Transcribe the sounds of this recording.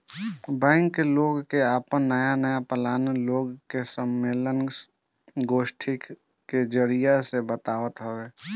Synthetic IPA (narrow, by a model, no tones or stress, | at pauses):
bɛ̃ːŋkːeloːɡkeaːpənːəjanəjapəlaːnloːɡkesəmːeːlən | ɡoːʃʈʰik | ked͡ʒəɾijasebət̪aːʋət̪ɦoeː